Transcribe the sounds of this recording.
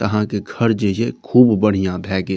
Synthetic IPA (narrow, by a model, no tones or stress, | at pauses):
kɐɦãkeɡʱɐɾd͡ʒəijekʰuːbːəɽ̤ijãbʱɛːɡe